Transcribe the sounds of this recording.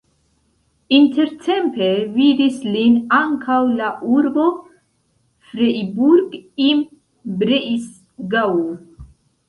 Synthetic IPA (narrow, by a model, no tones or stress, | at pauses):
inte̞ɾtʰe̞mpevid̪islinaŋkʰawlaʔuɾbo | fɾeibuɾɡim | bɾeʔis | ɡawu